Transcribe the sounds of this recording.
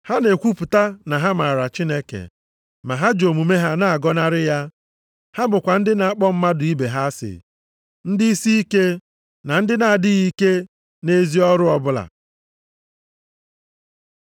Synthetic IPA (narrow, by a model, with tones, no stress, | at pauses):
ha˦ne˨kʷu˦pʊ˨ta˦na˨ɦa˦ma˨ɾa˨t͡ʃi˦ne˦kḛ˨ | ma˨ɦa˦d͡ʒo˨mu˨me˦ɦa˦na˨a˨ɡɔ˦na˦ɾɪ˦ja˦ | ha˦bʊ˨kʷa˨n̩˦dɪ˦na˨a˨k͡pɔ˦m̩˦ma˦dʊ˨i˦be˨ɦa˦sɪ̰˨ | n̩˦dɪ˦i˦si˦i˦ke˦ | na˨n̩˦dɪ˦na˨a˨dɪ˦ɣi˦ke˦ | ne˦zi˦ɔ˦ɾʊ˦ɔ˦bʊ˦la̰˨